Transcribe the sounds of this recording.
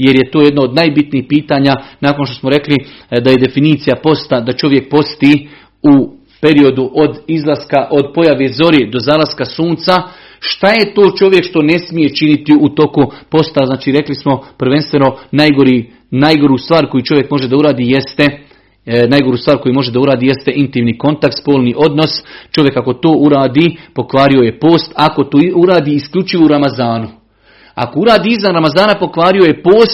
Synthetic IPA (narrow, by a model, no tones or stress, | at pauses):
je̞ɾje̞t̪o̞ːjed̪naod̪najbit̪niːxpiːt̪aɲanaːko̞nʃt̪o̞smo̞ɾe̞klid̪aje̞d̪e̞finiːt̪sijapo̞st̪ad̪at͡ʃo̞ʋje̞k̚po̞st̪iː | u | pe̞ɾio̞d̪uʔo̞d̪izlˠaskaʔo̞d̪̚po̞jaʋezo̞ɾid̪o̞zaːlaskasuːnt̪sa | ʃt̪aje̞t̪o̞ːt͡ʃo̞ʋje̞kʃt̪o̞ne̞smije̞t͡ʃinit̪iut̪o̞kupo̞st̪aznaːt͡ʃiːɾe̞klismo̞pɾ̩ʋe̞nst̪ʋe̞no̞najɡo̞ɾiː | najɡo̞ɾust̪ʋaːɾko̞jut͡ʃo̞ʋjekmo̞ʒe̞d̪auɾaːd̪iːjest̪e | najɡo̞ɾuːst̪ʋaːɾko̞jumo̞ʒe̞d̪auɾaːd̪iːje̞st̪eʔint̪imniːko̞nt̪ak̚t̪spo̞ːlˠniʔo̞d̪no̞st͡ʃo̞ʋje̞kako̞t̪o̞ːʔuɾaːd̪ipo̞kʋaːɾio̞je̞po̞ːst̪ako̞t̪oːuɾaːd̪iːsklʲʎʲut͡ʃiʋouɾamazaːnu | a̰ko̞uɾaːd̪iːizʋanɾamazaːnapo̞kʋaːɾio̞je̞po̞ːst̪